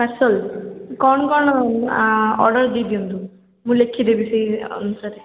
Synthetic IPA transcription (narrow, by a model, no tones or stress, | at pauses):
pasɔlkɔɳkɔnɔ | ɔ̰ɾɖəɾd̪id̪iunt̪u | mũlekʰid̪ebisiɔ̰nusaɾe